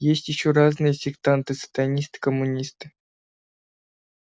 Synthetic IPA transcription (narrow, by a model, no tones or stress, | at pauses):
jesʲtʲjɪɕːoraznɨjəsʲɪkt̪ant̪ɨsə̥t̪ɐnʲist̪ɨ̥kəmːunʲist̪ɨ̥